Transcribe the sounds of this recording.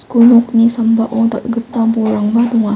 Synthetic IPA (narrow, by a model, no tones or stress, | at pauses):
skonok̚nisambaʔot̪atɡət̪abuɾaŋbad̪uŋa